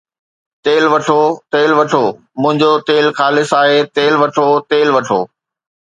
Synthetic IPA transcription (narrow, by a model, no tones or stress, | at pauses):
t̪eːlʋɐʈʰot̪eːlʋɐʈʰoː | mʊ̃ɦɪ̃ɲd͡ʑot̪eːlxaːlɪsaːɦeːt̪eːlʋɐʈʰot̪eːlʋɐʈʰo̰ː